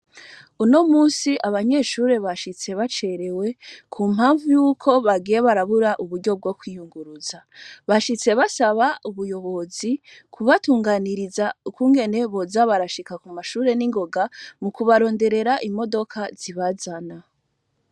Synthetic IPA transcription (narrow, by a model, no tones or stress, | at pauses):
uno̞muːsiʔaβaɲe̞ːʃuːɾe̞βaʃit͡se̞βat͡ʃe̞ɾe̞we̞kʰumɦaːɱvujuːkʰo̞βaɡije̞βaɾaβuɾaʔuβuɾɟo̞b̚ɡo̞kwiːjuŋɡuɾuzaβaʃit͡se̞βasaβauβujo̞βo̞zikʰuβatuːŋɡaniɾizaukuŋɡe̞ne̞βo̞zaβaɾaʃikakumaʃuːɾe̞niŋɡo̞ɡamukuβaɾo̞ːnde̞ɾe̞ɾaʔimo̞do̞kʰaziβazana